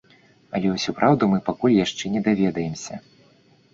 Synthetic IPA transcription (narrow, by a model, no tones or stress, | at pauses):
ɐ̰lʲɛwsʲɔpɾawd̪umɨpakulʲjaʂt͡ʂɛnʲɛd̪avʲɛd̪ɐjɛmsʲɐ